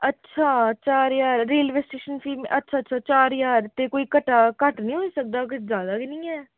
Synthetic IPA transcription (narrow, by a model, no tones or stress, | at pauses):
ətːʃʰaːt͡ʃaːɾjaːɾːeːlʋeːsʈeːʃənfʰiːmẽʔətːʃʰaːtːʃʰaːt͡ʃaːɾjaːɾt̪eːkoːiːkəʈːaːkəʈnĩːɦoiːsək̚d̪aːkzjaːd̪aːkɪnĩːɛː